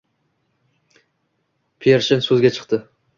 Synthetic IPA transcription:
pʰeɾʃɪnsɵzɡʲat͡ʃʰɨ̥qt̪ɪ

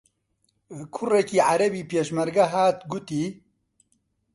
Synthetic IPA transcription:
kʰʊrekiːʕaɾɐbiːpeːʃmɐɾɡɐɦaːt̪ɡut̪iː

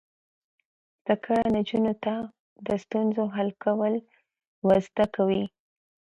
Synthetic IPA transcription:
t̪akʰəɽanad͡ʒunot̪a | d̪əst̪unzoɦalkawəl | wazd̪akawi

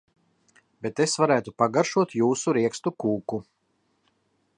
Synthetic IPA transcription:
bet̪esvaɾæːt̪upaɡaɾʃuɔt̪juːsuɾiɛkst̪ukuːku

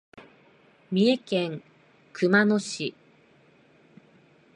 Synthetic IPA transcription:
mʲie̞kẽŋ | kɯ̟mano̞ɕi

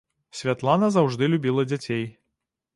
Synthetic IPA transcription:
sʲvʲat̪lˠanɐzawʐd̪ɨlʲubʲilˠɐd͡zʲat͡sʲej

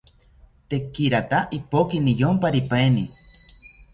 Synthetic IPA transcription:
t̪ekːiɾat̪aʔipokinijompaɾipaeni

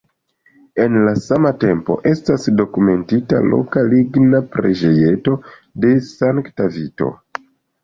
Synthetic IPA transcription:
e̞nlasamate̞mpo̞̰ʔe̞stasdo̞kume̞ntita̰lo̞̰kaliɡnapɾed͡ʒe̞je̞to̞ | de̞saŋktavito̞̰

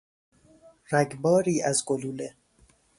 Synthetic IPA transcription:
ɾæɡbɒːɾiːæzɡoluːle

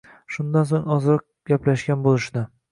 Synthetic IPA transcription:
ʃʊnd̪ans̬oŋɒzɾɑq̚ɡʲaplaʃɡʲanbolˠɪʃd̪ɪ

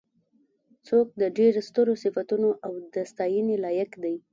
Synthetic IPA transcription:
t͡sok̚d̪əɖeɾst̪əɾosɪfat̪unoʔawd̪əst̪ɑjənilɑjakd̪aj

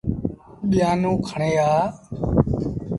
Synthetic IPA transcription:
ɓɪjãːnũːkʰəɳeːaː

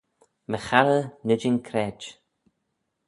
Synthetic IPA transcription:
məxaɾənəd͡ʒɪnkʰɾɛːd͡ʒ

